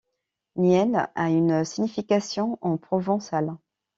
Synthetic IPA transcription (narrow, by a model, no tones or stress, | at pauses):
njɛnaynsiɲifikasjɔ̃ʔɑ̃pχɔvɑ̃sal